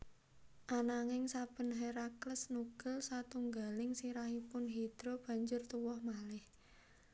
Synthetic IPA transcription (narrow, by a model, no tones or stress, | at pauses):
ʔanaŋɪŋsab̥ə̤nɦeɾakləsnuɡ̥əlsat̪uŋɡalɪŋsiɾahipʊnɦid̪̥ɾob̥a̤ɲd͡ʒʊrt̪uwɔhmalɪh